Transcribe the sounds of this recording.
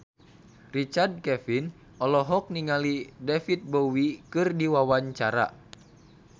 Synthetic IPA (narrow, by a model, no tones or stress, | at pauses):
rit͡ʃard̚kɛfin | ɔlɔɦɔk̚niŋalidɛfit̪̚bowikɨrdiwawaɲt͡ʃaɾa̰